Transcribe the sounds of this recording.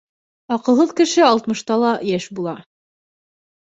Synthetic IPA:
ɑqɤ̆lˠɦɤðkɘ̆ʃɘɑlˠt̪mɤ̆ʃt̪ɑlˠɑjæʃbulˠɑ

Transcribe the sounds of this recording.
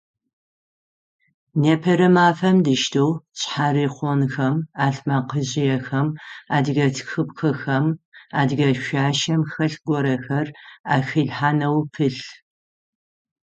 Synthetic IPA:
neːpʰɐɾɨmaːfɐmdɨʃtʰowt͡ɕħaːɾiːχʷɔnxɐmaːɬmaqəʑɪjɛxɐmaːdɣɐtʰxɨpxʰɨxɐmaːdɣɐʃʷaːʃɐmxɐɬɡʷɔɾɐxɐraːxɨɮħaːnɐwpʰɨɬ

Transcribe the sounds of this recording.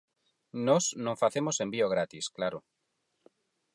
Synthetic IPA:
nɔsnõŋfaθemosembioɣ̞ɾat̪isklaɾʊ

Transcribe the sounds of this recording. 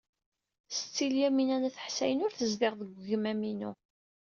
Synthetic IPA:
sət͡sːiljæminænæθə̥ħsæjənʊɾθəzðɪʁðəɡʷʝəmæminu

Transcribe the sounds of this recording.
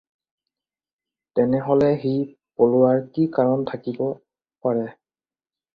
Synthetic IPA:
tɛnɛɦɔlɛɦij | polʊwaɹkikaɹɔntʰakibɔ | paɹɛ

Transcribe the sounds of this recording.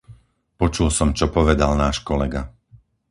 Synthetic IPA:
pɔt͡ʃulsɔmt͡ʃɔpɔʋɛd̪alnaːʃkɔlɛɡa

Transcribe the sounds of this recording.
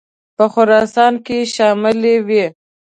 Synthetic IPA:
pəxʊɾɑsɑnkeʃɑmɪlewi

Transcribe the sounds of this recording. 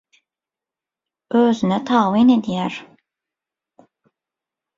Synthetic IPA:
øːzynɛt̪ʰaːwined̪ijæɾ

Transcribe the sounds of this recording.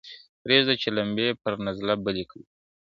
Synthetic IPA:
pɾezd̪ət͡ʃelambepəɾnazlabəlikəl

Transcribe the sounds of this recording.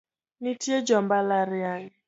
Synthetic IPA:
nitied͡ʒɔm̩balaɾɪaɣɪ

